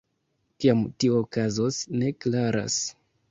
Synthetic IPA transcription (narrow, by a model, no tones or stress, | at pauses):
kiamtiookazosne̞klaɾa̰s